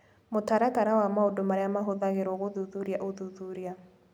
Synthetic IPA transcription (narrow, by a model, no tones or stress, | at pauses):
motaɾakaɾawamaodomaɾeamaɦoðaɣeɾɔɣoðuðuɾiaʔoðuðuɾia